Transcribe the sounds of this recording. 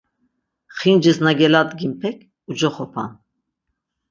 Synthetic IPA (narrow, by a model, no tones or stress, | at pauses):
χind͡ʒəsnaɡɛlad̪ɡimpʰɛkʰ | ud͡ʒɔχɔpʰa̰n